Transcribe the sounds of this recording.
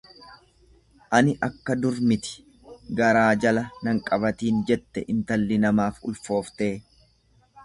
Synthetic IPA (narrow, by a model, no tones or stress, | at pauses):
ʔɐnɪʔɐkːɐd̪ʊɾmɪt̪ɪ̥ | ɡɐɾaːd͡ʒɐlɐnɐŋkʼɐβɐt̪iːnd͡ʒɛt̪ːɛʔɪnt̪ɐlːɪnɐmaːfʊlfo̞ːft̪eː